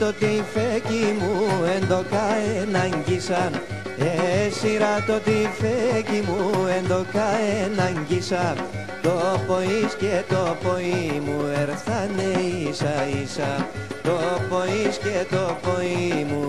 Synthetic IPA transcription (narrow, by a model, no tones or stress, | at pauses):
t̪o̞t̪ifecimuend̪o̞kɐenɐɲɟisɐn | esiɾɐt̪o̞t̪ifecimuend̪o̞kɐenɐɲɟisɐ | t̪opoiscet̪o̞poimueɾθɐneisɐisɐt̪o̞poiscet̪o̞poimu